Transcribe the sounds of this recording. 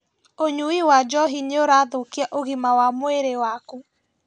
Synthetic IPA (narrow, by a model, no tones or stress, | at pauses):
oɲuiwad͡ʒɔɦineoɾaːðokiaʔoɣimawamoeɾewaku